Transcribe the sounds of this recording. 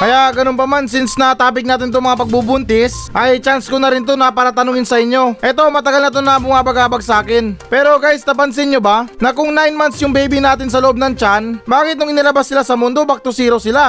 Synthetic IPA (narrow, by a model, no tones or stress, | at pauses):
kɐjaʔɡɐnonpɐmansɪnsnɐt̪aːpɪk̚naːt̪ɪnɪt̪oŋmɐŋapɐɡ̚bubʊnt̪ɪsʔɐjt͡ʃanskonɐɾɪnt̪onɐpaːɾɐt̪ɐnʊŋɪnsɐʔɪɲjo̞ʔɛt̪o̞mɐt̪ɐɡalnɐt̪̬onɐbʊŋabɐɡaːbɐɡ̚saːkɪnpɛːɾo̞ɡaːjɪst̪ɐpɐns̬ɪɲjobanɐkʊŋnajnmant̪sjʊŋbɛjbinaːt̪ɪnsɐloʔob̚nɐŋt͡ʃanbaːkɪt̪nʊŋɪnɪlɐbasːɪlasɐmʊnd̪o̞bɐk̚t̪osiːɾowsɪla